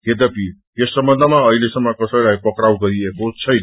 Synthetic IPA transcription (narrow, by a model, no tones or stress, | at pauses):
ɡed̪ʌpi | esːʌmbʌnd̪ʱəmaʌɦilesʌŋmʌkʌsʌjlajpʌkɾawɡʌɾiekot͡sʰʌjnʌ